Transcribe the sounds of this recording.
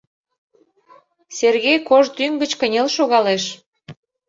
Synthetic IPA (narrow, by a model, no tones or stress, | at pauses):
serɣejkoʒt̪yŋɡət͡ɕkənʲelʃoɣɑleʃ